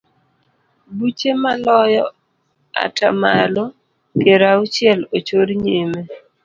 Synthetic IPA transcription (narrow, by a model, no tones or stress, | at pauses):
but͡ʃemalɔjɔ | a̰tʰamalo | keɾaʊt͡ʃɪɛlot͡ʃoɾɲeme